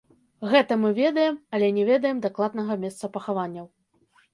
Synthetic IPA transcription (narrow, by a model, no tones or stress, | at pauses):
ɣɛt̪ɐmɨvʲɛd̪ɐjɛmɐlʲɛnʲɛvʲɛd̪ɐjɛmd̪aklˠad̪nɐɣɐmʲɛst̪sɐpɐxavanʲːɐw